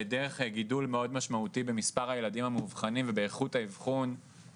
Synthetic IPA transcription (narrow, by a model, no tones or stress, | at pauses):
edeʁeχɡidulmeo̞dmaʃmautibemispaʁajeladimhamuvχanimvebeːχuthaivχun